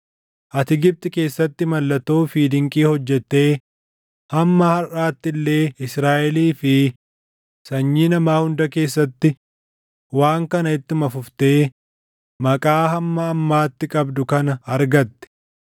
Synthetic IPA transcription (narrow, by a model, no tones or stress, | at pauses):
ʔɐt̪ɪɡɪb̚t̪ʼɪke̞ːsːɐt̪ːɪmɐlːɐt̪ːoːfiːd̪ɪŋkʼiːhɔd͡ʒːɛt̪ːe̞ː | hɐmːahɐraːt̪ːɪlːe̞ːɪsɾaːʔɛliːfɪ | sɐɲːiːnɐmaːhʊnd̪ɐke̞ːsːɐt̪ːɪ | waːŋkɐnɐɪt̪ːɪmɐfʊft̪e̞ː | mɐkʼaːhɐmːɐːmːaːt̪ːɪkʼɐbd̪ʊkɐnɐɐɾɡɐt̪ːɛ̥